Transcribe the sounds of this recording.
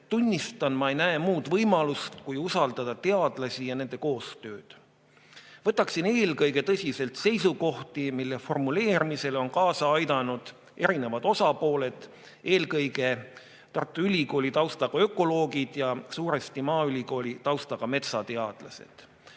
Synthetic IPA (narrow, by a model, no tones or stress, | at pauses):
t̪unʲːist̪ɑnmɑejnæemuːd̪̥vɤjmɑlust̪kujusɑld̪ɑd̪̥ɑt̪e̞ɑd̪̥lɑsʲijɑne̞nd̪e̞ko̞ːst̪ø̞ːd̪̥ | vɤt̪ːˑɑksine̞ːlkɤjɡe̞t̪ɤsʲise̞lt̪se̞jsuko̞ht̪imilːe̞fo̞rmule̞ːɾimise̞lo̞nkɑːsɑɑjd̪ɑnud̪̥ | e̞ɾine̞vɑd̪̥o̞sɑpo̞ːle̞d̪̥ | e̞ːlkɤjɡe̞ | t̪ɑrt̪ːˑuylʲiko̞ːlʲit̪ɑwst̪ɑɡ̥ɑø̞kˑo̞lo̞ːɡid̪̥jɑsuːɾest̪imɑːylʲiko̞ːlʲit̪ɑwst̪ɑɡ̥ɑme̞t̪sɑt̪e̞ɑd̪̥lɑse̞̰d̪̥